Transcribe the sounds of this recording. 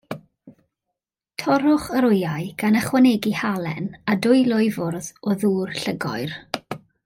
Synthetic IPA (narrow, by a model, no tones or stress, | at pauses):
tʰɔɾʊχəɾʊjaɨɡ̥anəχwanɛɡihalˠɛnadʊɨlˠʊɨvʊrðɔðuːrɬəɡɔ̰ɨr